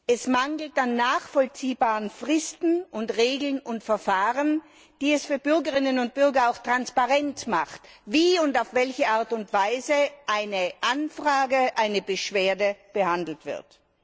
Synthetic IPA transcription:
ʔɛsmaŋɡl̩tanːaːχfɔlt͡siːbaːʁənfʁɪstn̩ʊntʁeːɡl̩nʊntfɛɐfaːʁən | d̥iːɛsfyːɐbʏɐɡəʁɪnənʊnt̚b̥ʏɐɡɐaʊxtʁ̥anspaʁɛntmaχtviːʊntaʊfv̥ɛlçəʔaɐtʊntv̥aɪzəʔaɪnəʔanfʁ̥aːɡəʔaɪnəbəʃv̥eːɐdəb̥əhandl̩tv̥ɪ̰ɐt

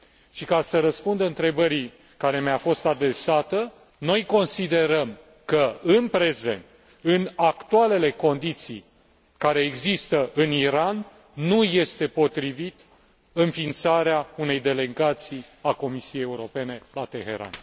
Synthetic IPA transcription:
ʃikasəɾəspund̪əɨnt̪ɾe̞bəɾi | kaɾe̞meafo̞st̪ad̪ɾe̞sat̪ə | no̞jko̞nsid̪e̞ɾəm | kəɨnpɾe̞ze̞̰nt̪̚ | ɨnakt̪uale̞le̞ko̞nd̪it̪sḭj | kaɾe̞ːɡzist̪əʔɨniɾanː | uje̞st̪e̞po̞t̪ɾivit̪ | ɨnfint̪saɾeaune̞jd̪e̞le̞ɡat̪sijako̞misijejeuɾo̞pe̞ne̞lat̪e̞ɦe̞̰ɾa̰n

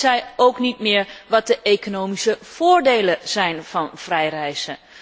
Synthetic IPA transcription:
zɛjowknitmɪːɹʋɑt̚dəʔejkonowmisəv̥ʊːɹdejləz̥ɛjnvɑnv̥rɛjrɛjzə

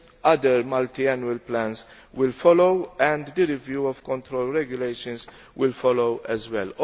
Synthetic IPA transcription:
ɐd̪əɾmɐlt̪iɛnjuəlplæ̃ns | wɪlfɔlowɛ̃nd̪d̪əɾɪvjuːɔvkɔ̃nt̪ɾolɾɛɡjʊlejʃə̃ns | wɪlfɔlowʔɛzwɛl

